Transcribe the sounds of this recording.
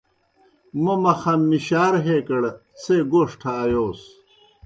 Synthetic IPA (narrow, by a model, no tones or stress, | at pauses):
mɐmɐxɐmːiɕaːɾɦeːkɐɽ | t͡sʰeɡoʂʈʰɐːjoːs